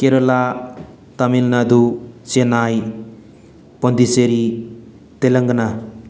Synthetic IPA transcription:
keɾola | t̪amilnad̪ut͡ʃenaj | pʌnd̪iseɾi | t̪eləŋɡna

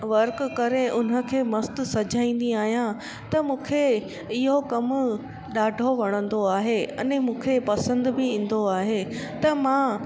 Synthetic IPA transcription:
ʋɐɾkkɐɾeʊn̤ə̆kʰeːmɐst̪ʊ̆sɐd͡ʑʱaːĩːn̆d̪iaːɦijã | t̪ɐmũːkʰe | ɪɦokɐm | ɗaːɖʱoʋɐɽ̃ə̃nd̪oaːɦeɐ̰nmũːkʰepɐsə̃nd̪bɪĩːn̆d̪oaːɦet̪ɐmã

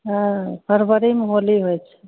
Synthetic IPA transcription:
ɦãpʰəɾbəɾimeɦoliɦojt͡ʃʰɛ̥

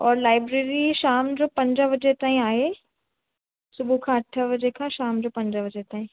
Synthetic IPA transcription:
ɔːɾlaːɪbɾeːɾiʃaːmd͡ʒoːpɐ̃ɲd͡ʒaʋɐd͡ʒet̪aːĩaːe | sʊbʱukʰãːɐʈʰːəʋɐd͡ʒekʰãʃaːmd͡ʒoːpɐ̃ɲd͡ʒaʋɐd͡ʒet̪ãːɦĩː

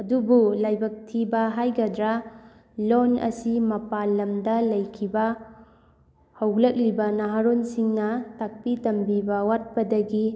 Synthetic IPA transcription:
ɐdubulajbɐk̚tʰibɐɦajɡɐdɾɐ | lonɐ̰simɐpalɐmdɐlɐjkʰibɐ | hɐwlɐk̚libɐnaɦaɾonsiŋnɐtak̚pitɐmbibɐwat̚pɐdɐɡi

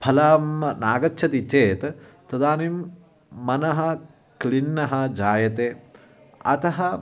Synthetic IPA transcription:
pʰɐlaːmnaːɡɐt͡ʃʃʰɐt̪it͡ʃeːt̪ | t̪ɐd̪aːnimː | ɐnɐɦɐ̆ | klinːɐɦɐ̆d͡ʒaːjɐt̪eː | ɐ̰t̪ɐɦɐ

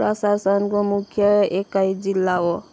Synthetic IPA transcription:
ɾɔsasɔnkomukʰjʌekajd͡zilːao

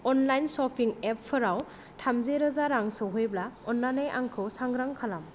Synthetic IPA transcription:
ɔnlajnsɔpʰiŋepʰːɯɾaw | tʰamzeɾɯzaɾaŋsɯɦɯjblaɔnːanajʔa̰ŋkʰɯwsaŋɡɾaŋkʰalam

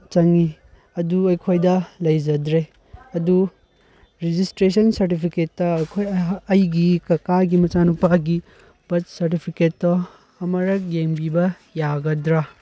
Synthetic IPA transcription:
t͡ʃɐŋi | ɐduɐjkʰojdɐlɐjd͡ʒɐdɾe | ɐdu | ɾid͡ʒistɾes̬ɐnsɐɾtipʰiketːɐkʰojɐjɡikɐkaɡimɐt͡ʃanupɐɡi | b̥ɐtsɐɾtipʰiketːɐ | ɐmɐɾɐk̚jeŋbibɐ | jaɡɐdɾa

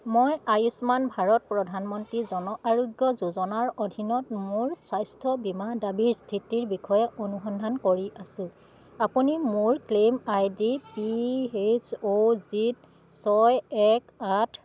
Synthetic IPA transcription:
mɔjajusmanbʱaɹɔt̚pɹɔdʱanmɔntɹizɔnɔʔaɹoɡjɔzozɔnaɹodʱinɔt̚mʊɹsajstʰɔbimadabiɹstʰitiɹbixʰɔjɛʔonuxɔndʱankoɹiʔasʊ̃ | apunimʊɹklemajdipiet͡ʃozit | sɔjɛkatʰ

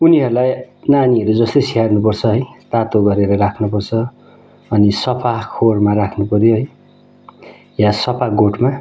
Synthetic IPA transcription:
uniɦʌɾulajnaniʌɾud͡zʌst̪ʌjsiɦarnup̬ʌrt͡sʰʌɦʌjt̪at̪oɡʌɾeɾʌɾakʰnupʌrt͡sʰʌ | ʌnisʌpʰakʰormaɾakʰnupʌɾjoɦʌj | jasʌpʰaɡoʈma

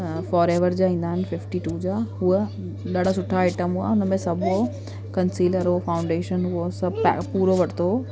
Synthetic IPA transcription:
fɔːɾeːʋəɾd͡ʑaːĩːn̆d̪aːɪnɪfɪfʈiʈuːd͡ʑaːɦuə | ɗaːɽ̤ʱasʊʈʰaaɪʈəmɦua̰ʊnəmẽsɐbʱo | kɐnsiːləɾoːfaːʊ̃ɳɖeːʃənɦuosɐbpːpuːɾoʋɐʈʰt̪ʰoː

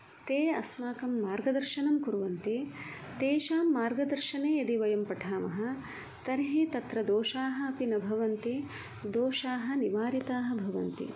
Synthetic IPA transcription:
t̪eːɐsmaːkɐmːaːɾɡɐd̪ɐɾʃɐnɐmkuɾʋɐnt̪i | t̪eːʃaːmːaːɾɡɐd̪ɐɾʃɐneːɐd̪iʋɐjɐmpɐʈʰaːmɐɦɐ̆ | t̪ɐɾɦit̪ɐt̪ɾɐd̪oːʃaːɦɐ̆ɐpinɐbʱɐʋɐnt̪i | d̪oːʃaːɦɐ̆niʋaːɾit̪aːɦɐ̆bʱɐʋɐ̰nt̪ḭ

